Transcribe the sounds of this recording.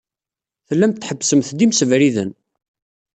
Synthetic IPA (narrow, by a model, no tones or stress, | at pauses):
θəlːæmt̪ːħəbːsəmθd̪imsəvɾiðə̰n